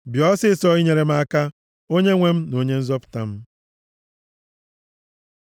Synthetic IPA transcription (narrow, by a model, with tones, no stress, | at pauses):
bjɔ˦sɪ˦sɔ˦i˦ɲe˨ɾe˨m̩˦a˦ka˦ | o˦ɲe˦ŋʷe˦m̩˦no˨ɲe˦n̩˦zɔ˦pʊ̥˨ta˦m̩˦